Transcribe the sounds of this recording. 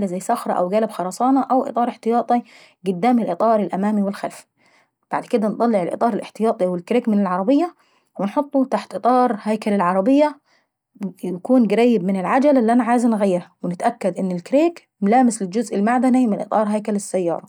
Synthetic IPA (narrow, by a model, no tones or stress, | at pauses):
lazajːsɑxɾˤɑ̰ʔa̰wɡæːlabxɑɾˤɑːsˤɑːnɑʔawʔɪ̰ɨ̰t̪ˤɑːɾˤɪħt̪ɪjɑːt̪ˤi | ɡʊd̪ːaːmɪlʔɨt̪ˤɑːɾˤɪlʔamaːmiwɪlxalfi | b̥a̰ʕd̪kɪd̪ænt̪ˤɑlːɪʕɪlʔɨ̰t̪ˤɑːɾɪlʔɪ̰ħt̪ɪjɑːt̪ˤiwɪlkɾeːkmɪnɪlʕɑɾˤɑbɪjːa | wɪnħot̪ˤːut̪aħt̪ʔɨt̪ˤɑːɾˤhajkalalʕɑɾˤɑbɪjːa | jakuːnɡaɾæjːɪbmɪnɪlʕad͡ʒalɪlːiʔanaʕaːjznɣajːɪɾhawɪnɪt̪ʔakːad̪ʔɪnːɪlkɾeːk | mlaːmɪslɪld͡ʒʊzʔɪlmaʕd̪animɪnʔɨ̰t̪ˤɑːɾˤɦajkalɪsːajːɑ̰ːɾˤɑ